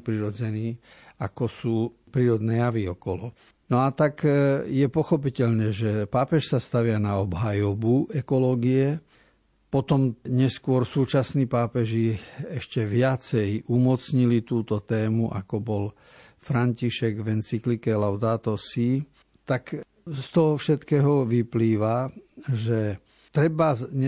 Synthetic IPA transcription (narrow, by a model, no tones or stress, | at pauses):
pɾiɾɔd͡zɛniː | akɔsuː | pɾiːɾɔd̪nɛːjaʋiɔkɔlɔ | nɔat̪akjɛpɔxɔpicɛʎɲɛʒɛpaːpɛʃsast̪aʋɪanaɔbɦajɔbuɛkɔlɔːɡiɛ | pɔt̪ɔmɲɛskʊɔɾsuːt͡ʃasniːpaːpɛʒiɛʃcɛʋɪat͡sɛjumɔt͡sɲilit̪uːt̪ɔt̪ɛːmuʔa̰kɔbɔl | fɾaɲciʃɛɡʋɛnt͡siklikɛlaʊd̪aːt̪ɔsi | t̪ak | st̪ɔɦɔfʃɛt̪kɛːɦɔʋipliːʋaʒɛ | t̪ɾɛba